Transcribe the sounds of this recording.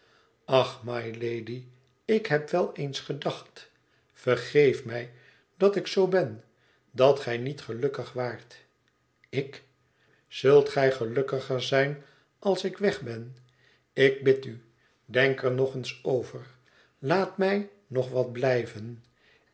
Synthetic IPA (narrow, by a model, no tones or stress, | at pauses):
ɑχmɑjlejdi | ɪkɦɛpʋɛlˠejnsχədɑχt | fərχejfmɛj | d̥ɑtɪksowbɛn | dɑtχɛjnitχəlɵkəχʋaːɹt | ɪk | z̥ɵlˠtχɛjχəlɵkəχəɹzɛjn | ɑlˠsɪkʋɛχbɛn | ɪk̚bɪty | dɛŋkəɹnɔχənsowvəɹ | laːtmɛj | nɔχʋɑd̚blɛjvən